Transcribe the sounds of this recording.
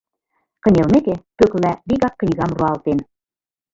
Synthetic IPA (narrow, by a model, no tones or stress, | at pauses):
kɤ̆nʲelˠmekĕkøklæbiɣɑkːnʲiɣɑmruɑlˠt̪en